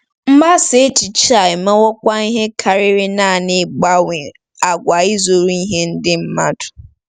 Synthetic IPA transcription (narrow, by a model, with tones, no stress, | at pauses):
m̩˦ma˦se˨˦t͡ʃi˨t͡ʃi˦a˨ɪ˨me˦wɔ˦kʷa˦i˦ɦe˦kʰa˨ɾɪ˦ɾɪ˦na˦˨nɪ˨ɡ͡ba˦wɪ˨ | a˨ɡʷa˨i˦zo˨ɾu˦i˦ɦe˦n̩˦dɪ˦m̩˦ma˦dʊ̥˨